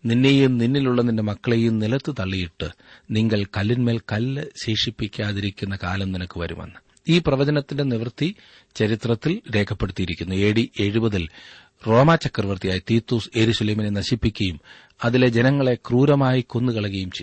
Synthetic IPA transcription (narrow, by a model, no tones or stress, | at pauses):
ninːejumninːiluɭːɐninde̞mɐkːɐɭejumnilɐt̪ːɨt̪ɐɭːijiʈːɨ | niŋɡɐɭkɐlːinme̞ːlkɐlːɕeːʂipːikʲːaːðiɾikʲːunːɐkaːlɐmninɐkːɨʋɐ̰ɾṵmʋɐ̰nːɨ | iːprɐʋɐd͡ʑɐnɐt̪ːinde̞niʋɐrt̪ːi | t͡ɕɐɾit̪rɐt̪ːilɾe̞ːkʰɐpːe̞ɽut̪ːijiɾikʲːunːue̞ːɽiʔe̞ɻubɐðil | ro̞ːmaːt͡ɕɐkːɐrʋɐrt̪ijaːjit̪iːt̪ːuːsjeɾuɕɐleːminenɐɕipːikʲːɐjum | ɐðile̞d͡ʑe̞nɐŋːɐɭe̞kruːɾɐmaːjiko̞nːukɐɭɐɣɐjumt͡ɕe